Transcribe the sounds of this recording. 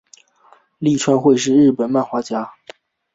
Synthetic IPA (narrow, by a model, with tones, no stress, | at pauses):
li˥˩ʈ͡ʂʰwa˥nxwe˥˧ɪʂɻ̩˥˧ɻɻ̩˥˩pə˨˩˦nma˥˩nxwa˥t͡ɕja˥